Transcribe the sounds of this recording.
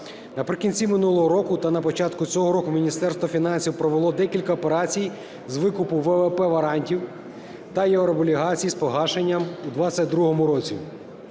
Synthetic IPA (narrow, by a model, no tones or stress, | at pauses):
nɐpɾɪkʲinʲt͡sʲimɪnulˠɔɦɔɾɔkʊt̪ɐnɐpɔt͡ʃɑt̪kʊt͡sʲɔɦɔɾɔkʊmʲinʲist̪ɛrst̪ʋɔfʲin̪ɑnʲsʲiwpɾɔʋelˠɔd̪ɛkʲilʲkɐɔpeɾɑt͡sʲij | zʋɪkʊpʊʋɛʋɛpɛʋɐɾɑnʲtʲiw | t̪ɐjewɾɔbɔlʲiɦɑt͡sʲijispɔɦɑʃenʲːɐmud̪ʋɑt͡sʲːɐt̚ʲd̪ɾuɦɔmʊɾɔt͡sʲḭ